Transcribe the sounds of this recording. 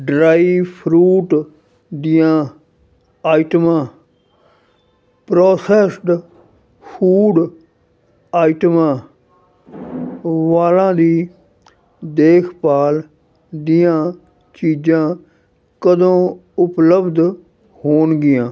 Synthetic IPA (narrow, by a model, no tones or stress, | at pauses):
ɖɾaːipʰɾuːʈ | d̪ɪjãː | aːɪʈmãː | pɾoːsɛːsɖ | fuːɖ | aːʈmãː | ʋaːlãːd̪iː | d̪eːkʰpaːl | d̪ɪjãː | t͡ʃiːd͡ʒãː | kəd̪õːʊpləbd̪ | hoːnɡɪjãː